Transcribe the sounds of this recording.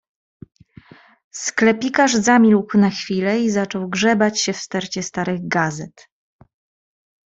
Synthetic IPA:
sklɛpʲikaʐzamʲilkwnaxfʲilɛizat͡ʂɔwɡʐɛbat͡ɕɕɛfst̪ɛɾt͡ɕɛst̪aɾɘɣɡazɛt̪

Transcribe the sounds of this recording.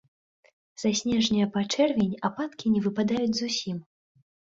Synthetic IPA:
z̥asʲnʲɛʐnʲijɐpat͡ʂɛrvʲɛnʲapat̪kʲinʲɛvɨpad̪ajud͡zʲzusʲim

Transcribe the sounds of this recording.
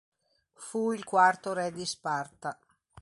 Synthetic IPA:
fuilkwart̪oɾɛd̪ispart̪a

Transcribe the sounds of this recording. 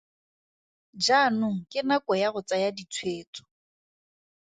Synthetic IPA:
d͡ʒanʊŋ̩kʼɪnakʼɔjaɣʊt͡sajadit͡sʰweːt͡sʼɔ̥

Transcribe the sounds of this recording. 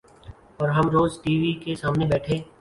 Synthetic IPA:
ɔːɾɦɐmɾoːzʈiːʋikesaːmnebɛːʈʰeː

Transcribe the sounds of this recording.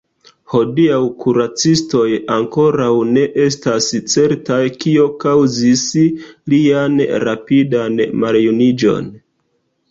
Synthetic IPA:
ho̞diawkuɾat͡sisto̞jaŋko̞ɾawne̞ʔe̞stast͡se̞ɾtajkio̞kawzislianɾapidanmaljunid͡ʒo̞̰n

